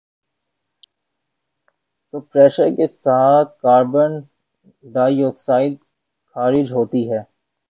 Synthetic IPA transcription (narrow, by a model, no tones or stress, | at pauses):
t̪opɾɛːʃəɾkesaːt̪̚ʰkaːɾbən | ɖaːijoːɡsaːɪd̪̚ | xaːɾɪd͡ʒɦoːt̪iɦɛː